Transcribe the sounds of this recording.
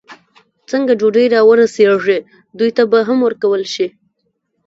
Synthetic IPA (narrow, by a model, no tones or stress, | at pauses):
t͡səŋɡad͡ʒoɖəjɾɑwəɾaseʐe | d̪ujt̪abaɦamwəɾkawəlʃi